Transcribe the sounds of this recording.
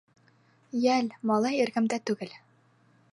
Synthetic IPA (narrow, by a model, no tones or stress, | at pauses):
jælmɑlˠɑjiɾɡɘmd̪æt̪ʉɡɘl